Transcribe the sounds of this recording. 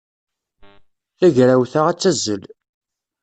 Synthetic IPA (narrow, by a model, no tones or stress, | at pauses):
θæʝɾæwθaʁæt͡sːæzːəl